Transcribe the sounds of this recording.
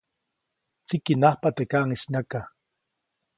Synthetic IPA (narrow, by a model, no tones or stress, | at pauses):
t͡sikinaχpat̪ekaʔŋisnaka